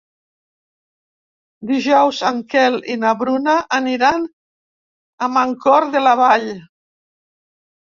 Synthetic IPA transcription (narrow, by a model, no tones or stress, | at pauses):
d̪iʒɔwzaŋkɛlinaβɾunaʔːniɾan | əmaŋkɔɾðelaβaʎ